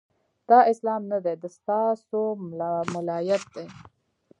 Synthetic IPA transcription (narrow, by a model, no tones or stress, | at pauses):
d̪̥ɑʔɪslɑːmnad̪ed̪əst̪ɑsomʊlɑːjat̪̚d̪e